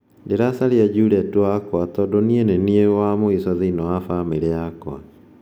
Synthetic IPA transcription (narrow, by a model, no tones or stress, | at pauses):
ndeɾasaɾiad͡ʒuɾɛtwakwatɔdonieneniewamoisɔðiinɔwafameɾeakwa̰